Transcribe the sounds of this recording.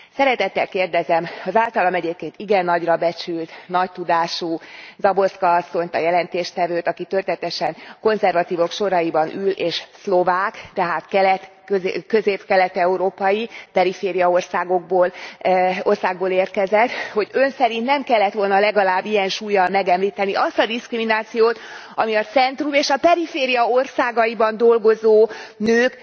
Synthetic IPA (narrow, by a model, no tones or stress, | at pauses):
sɛɾɛt̪ɛt̪ːɛlkeːrd̪ɛzɛmɒzaːlt̪ɒlɒmɛɟeːp̚keːnt̪iɡɛnːɒɟrɒbɛt͡ʃylt̪nɒct̪ud̪aːʃuːzɒbo̞skɒɒsːo̞ɲt̪ɒjɛlɛnt̪eːʃt̪ɛvøːt̪ɒkit̪ørt̪ɛt̪ɛʃɛŋko̞nzɛrvɒt̪iːvo̞kʃo̞ɾɒjibɒnyleːʃslo̞vaːkt̪ɛɦaːt̪kɛlɛt̪ | økø̞zeːpkɛlɛt̪ɛuɾoːpɒjipɛɾifeːɾijɒo̞rsaːɡo̞ɡ̚boːl | o̞rsaːɡ̚boːleːrt̪kɛzɛt̪ho̞ɟø̞nsɛɾint̪nɛmkɛlːɛt̪ʋo̞lnɒlɛɡɒlaːbːijɛnʃuːjːɒlmɛɡɛmliːt̪ɛniʔɒst̪ɒd̪iskriminaːt̪sijoːt̪ | ɒmiɒt̪sɛnt̪rumeːʃɒpɛɾifeːɾijɒo̞rsaːɡɒjibɒnd̪o̞lɡo̞zoːnøːk